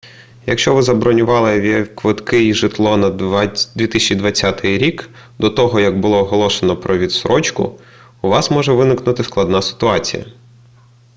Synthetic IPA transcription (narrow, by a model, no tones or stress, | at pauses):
jɐkʃt͡ʃɔʋɪzɐbɾɔnʲʊʋɑlˠɪʋʲikʋɪt̪kɪiʒɪt̪lˠɔnɐd̪ʋʲit̪ɪsʲt͡ʃid̪ʋɐt͡sʲːat̪ɪjɾʲik | d̪ɔt̪ɔɦɔjɐɡbʊlˠɔːɦɔlˠɔʃenɔpɾɔʋʲid̪sɾʔɔt͡ʃkʊ̰ː | ʋɑsmɔʒɛʋɪnɪknʊt̪ɪsklˠɐd̪nasɪ̥t̪ʊɑt͡sʲḭjɐ̰